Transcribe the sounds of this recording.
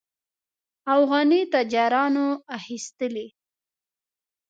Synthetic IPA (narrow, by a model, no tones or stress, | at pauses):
afɣɑnit̪ad͡ʒɑɾɑnoaxist̪əli